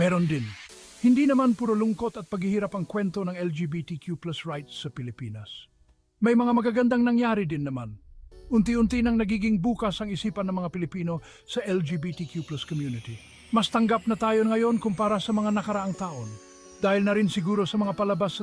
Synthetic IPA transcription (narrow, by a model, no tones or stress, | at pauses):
mɛːɾond̪ɪn | hɪnd̪inɐmanpuɾʊlʊŋko̞t̪ɐt̪̚pɐɡɪhiːɾapɐŋkwɛnt̪o̞nɐŋɛld͡ʒibit̪ikjuplasɹajt̪ssːɐpɪlɪpiːnɐs | mɐjmɐŋamɐɡaɡɐnd̪aŋnɐŋjaːɾid̪ɪnːɐmanʔʊnt̪iʊnt̪inɐŋnɐɡiːɡɪŋbuːkɐsɐŋɪsiːpɐnːɐŋmɐŋapɪlɪpiːno̞ | sɐʔɛld͡ʒibit̪ikjuplaskomjunɪt̪i | mɐst̪ɐŋɡap̚nɐt̪aːjoŋɐjo̞nkʊmpaːɾɐsɐmɐŋanɐkɐɾɐʔaŋt̪aːʔo̞n | d̪aːhɪlnɐɾɪnsɪɡuːɾo̞sɐmɐŋapɐlɐbas